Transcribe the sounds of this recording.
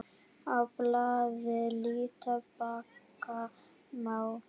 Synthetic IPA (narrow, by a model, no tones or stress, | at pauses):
aplavelitabakːa | maw